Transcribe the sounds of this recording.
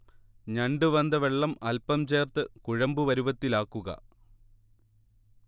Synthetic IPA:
ɲɐɳɖɨʋɐnd̪ɐʋeɭːɐmɐlpɐmt͡ɕe̞ːrt̪ɨkuɻɐmbuʋɐɾuʋɐt̪ːilaːkːuɣɐ̰

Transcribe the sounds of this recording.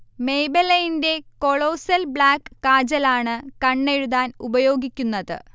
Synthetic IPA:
me̞jbɐlɐjinde̞ko̞ɭo̞ːsɐlbɭaːkːaːd͡ʑɐlaːɳɨkɐɳːe̞ɻuðaːnubɐjo̞ːɡikʲːunːɐðɨ̰

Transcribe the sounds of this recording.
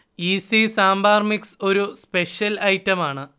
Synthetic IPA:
iːsisaːmbaːrmikso̞ɾuspe̞ʂjɐlɐjtːɐmaːɳɨ

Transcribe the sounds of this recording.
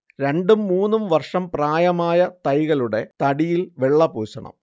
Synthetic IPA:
ɾe̞ɳɖumːuːnːumʋɐrʂɐmpraːjɐmaːjɐt̪ɐjɣɐɭuɽe̞t̪ɐɽijilʋe̞ɭːɐpuːɕɐɳɐ̰m

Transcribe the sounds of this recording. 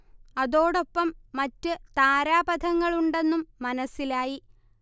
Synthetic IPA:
ɐðo̞ːɽo̞pːɐmːɐtːɨt̪aːɾaːbɐd̪ʱɐŋːɐɭuɳɖe̞nːumːɐnɐsːilaːji

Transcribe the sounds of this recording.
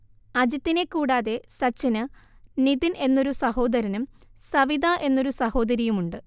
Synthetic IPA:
ɐd͡ʑɐt̪ːine̞kːuːɽaːðe̞sɐt͡ɕːɐnɨ | niðinʔe̞nːo̞ɾusɐɦo̞ːd̪ɐɾɐnumsɐʋid̪aʔe̞nːoɾusɐho̞ːd̪ɐɾijumuɳɖɨ

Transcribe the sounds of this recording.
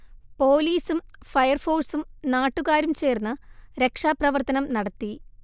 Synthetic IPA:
po̞ːliːsumfɐjɐrfo̞ːrsumnaːʈːuɣaːɾumt͡ɕe̞ːrnːɐɾe̞kʂaːprɐʋɐrt̪ɐnɐmnɐɽɐt̪ːi

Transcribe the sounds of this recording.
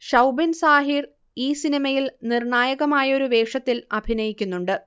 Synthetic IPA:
ɕɐwbinsaːɦiːr | iːsinimɐjilnirɳaːjɐɣɐmaːjɐo̞ɾuʋe̞ːkʂɐt̪ːilɐbʱinɐjikʲːunːuɳɖɨ

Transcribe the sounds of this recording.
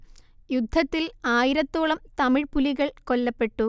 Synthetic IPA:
jud̪ʱːɐt̪ːilaːjiɾɐt̪ːoːɭɐmt̪ɐmiɻpuliɣɐɭko̞lːɐpːe̞ʈːu

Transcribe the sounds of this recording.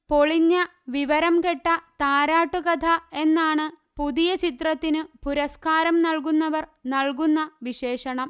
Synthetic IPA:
po̞ɭiɲːɐ | ʋiʋɐɾɐmke̞ʈːɐt̪aːɾaːʈːukɐd̪ʰʱɐe̞nːaːɳɨ | puðijɐt͡ɕit̪rɐt̪ːinɨpuɾɐskaːɾɐmnɐɭkunːɐʋɐrnɐɭkunːɐʋiɕe̞ːʂɐɳɐm

